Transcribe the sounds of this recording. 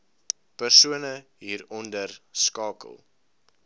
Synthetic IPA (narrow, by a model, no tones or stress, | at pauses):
pərsuənə | ɦiːɾɔndərskɑːkə̰lˠ